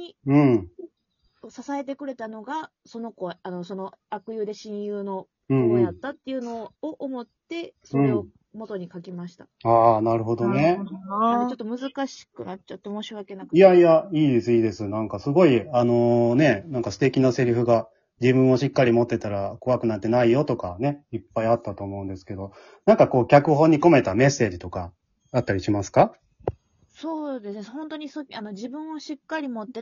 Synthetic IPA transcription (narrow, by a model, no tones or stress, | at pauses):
ɲiɯ̟̃ɴ | sasae̞t̪̬e̞kɯ̟ɾe̞t̪ano̞ɡa | so̞no̞ko̞ano̞so̞no̞ | akɯ̟jɯːd̪e̞ɕĩɰ̃jɯːno̞ | ɯ̟̃ɴɴɯ̃ɴat̪ːat̪ːe̞jɯ̟no̞ːʔomo̞t̪ːe̞soɯ̟̃o | mo̞t̪o̞ɲ̟ikakʲimaɕi̥t̪ḁ | aːnaɾɯ̟ɦo̞d̪o̞ne | t͡ɕt͡ʃo̞t̪ːo̞mɯ̟zɨkaɕi̥kɯ̟nat͡ɕat̪ːomo̞ːɕiβake̞nakɯijaiaiːd̪e̞sɨiːd̪e̞sɨnãŋkasɨɡo̞iano̞ne̞nãŋkasɨ̥t̪e̞kʲinase̞ɾɯ̟ɸɯ̟ɡa | d͡ʑibɯ̟̃ɰ̃o̞ɕikːaɾʲimo̞t̪ːe̞t̪aɾako̞βakɯ̟nat̪ːe̞naijo̞t̪o̞kane̞ipːaiat̪ːat̪o̞ːmo̞ɯ̟nd̪e̞sɨ̥ke̞d̪o̞ | nãŋkako̞ːkʲakɯ̟ɦõ̞ɲ̟ːiko̞me̞t̪ame̞sːe̞ːd͡ʑit̪o̞kaː | t̪ːaɾʲiɕimasɨ̥ka | so̞ːd̪esɨnehõ̞nt̪o̞ɲ̟isoano̞d͡ʑibɯ̟̃ɰ̃oɕikːaɾʲimot̪ːe